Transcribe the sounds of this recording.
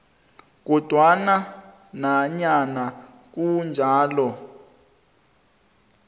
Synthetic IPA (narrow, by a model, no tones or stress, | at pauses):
k̬ɔd̥ʱwana | naɲana | k̬und͡ʒʱaːlɔ